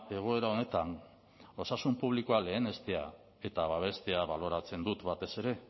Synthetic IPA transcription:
e̞ɣ̞o̞e̞ɾao̞ne̞t̪an | o̞sasumpuβ̞liko̞ale̞ːne̞st̪e̞a | e̞t̪aβaβ̞e̞st̪e̞aβalo̞ɾat͡se̞nd̪ut̪βat̪e̞se̞ɾe̞

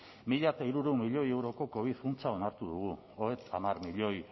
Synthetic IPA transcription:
miʎat̪aiɾuɾeumiʎo̞je̞wɾo̞ko̞ko̞β̞iðkunt͡sao̞naɾt̪uðuɣ̞u | oet̪ʰa̰marmiʎo̞j

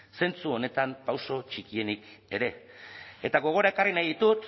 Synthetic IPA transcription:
se̞nt͡suo̞ne̞t̪ampawso̞t͡ʃikie̞nike̞ɾe̞ | et̪aɣo̞ɣ̞o̞ɾaekarinajðit̪ut̪

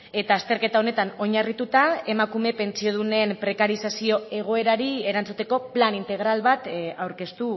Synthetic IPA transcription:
e̞t̪aːst̪e̞ɾke̞t̪aone̞t̪ano̞ɲarit̪ut̪ae̞makume̞pe̞nt͡sio̞ðune̞mpɾe̞kaɾisasio̞e̞ɣ̞o̞e̞ɾaɾie̞ɾant͡sut̪e̞ko̞planint̪e̞ɣ̞ɾalβat̪awɾke̞st̪u

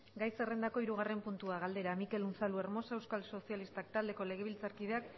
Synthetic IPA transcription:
ɡajse̞rend̪ako̞iɾuɣare̞mpunt̪uaɣald̪e̞ɾamike̞lunsalue̞ɾmo̞sewskalso̞sialist̪akt̪ald̪e̞ko̞le̞ɣ̞e̞βilt͡saɾkið̞e̞ak

